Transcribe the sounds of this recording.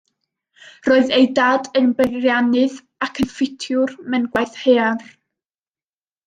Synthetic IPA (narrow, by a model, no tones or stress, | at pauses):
roːɨðejdaːdənbərjanɨð | akʰənfɪtʰjʊrmɛnɡwajθhear